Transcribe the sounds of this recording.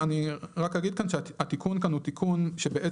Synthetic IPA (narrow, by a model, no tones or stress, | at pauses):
aniʁakaɡid̪̚kanʃehat̪ikunkanhut̪ikʰunʃebeʔe